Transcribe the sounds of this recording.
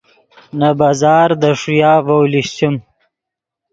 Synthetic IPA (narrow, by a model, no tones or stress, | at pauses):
nabazɑːɾd̪əʂujɑːvawliɕt̪um